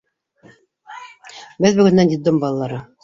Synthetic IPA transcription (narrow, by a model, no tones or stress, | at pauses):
bɘðbɵ̆ɡɵ̆nːænjit̪d̪ɘmbɑlˠɑlːˠɑɾɤ